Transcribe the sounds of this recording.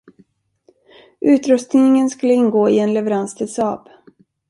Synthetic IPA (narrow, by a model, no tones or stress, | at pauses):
ʔʉ̟ːt̪ɾɵst̪nɪŋənskɵlːəɪnːɡoːɪɛnlɛvəɾanst̪ʰɪlsɑːb